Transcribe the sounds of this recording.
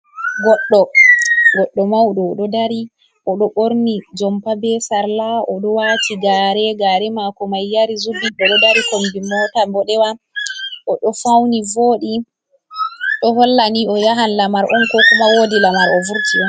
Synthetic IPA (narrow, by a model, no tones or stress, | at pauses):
ɡɔɗːɔɡɔɗːɔmawɗɔɗɔdaɾi | ʔɔɗɔɓoɾnid͡ʒɔmpabɛsaɾlaʔɔɗɔwatiɡaːɾɛɡaːɾɛmakɔmajːaɾizubiɗɔɗɔdaɾikombimɔtambɔɗɛwa | ʔɔɗɔfawnivoːɗi | ɗɔɦɔlːaniɔjaɦanlamaɾʔɔnkɔkɔmawoːdilamaɾɔvuɾtiwa